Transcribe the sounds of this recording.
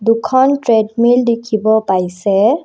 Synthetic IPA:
d̪ukʰɔnʈɾeɖmildikʰibɔpajsɛ

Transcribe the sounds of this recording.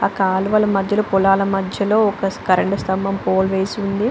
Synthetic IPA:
aːkaːluʋɐlɐmɐd̪ʱjɐlupulaːlɐmɐd̪ʱjɐlo̞ːɔkɐskɐɾɐɳɖust̪ɐmbɐmpoːlʋeːsiund̪i

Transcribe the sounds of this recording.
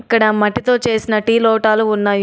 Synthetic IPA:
kːɐɽɐmɐʈːit̪o̞ːt͡ʃe̞ːsinɐʈiːloːʈaːluunːaːj

